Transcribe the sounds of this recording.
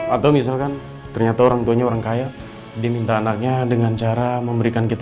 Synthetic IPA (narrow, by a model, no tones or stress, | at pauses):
at̪awmis̬alkan | t̪ərɲat̪aoɾaŋt̪uaɲaoɾaŋkaja | dimint̪aːnak̚ɲadəŋant͡ʃaɾaməmbəɾikankit̪a